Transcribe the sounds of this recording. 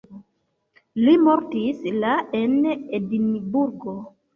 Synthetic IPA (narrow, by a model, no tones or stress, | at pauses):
limoɾtislaenedinibuɾɡo